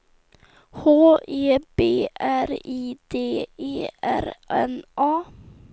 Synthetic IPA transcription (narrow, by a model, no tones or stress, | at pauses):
hoːeːb̥eːʔæɾiːd̪̥eːeːæ̰ɾʔɛ̰nʔɑː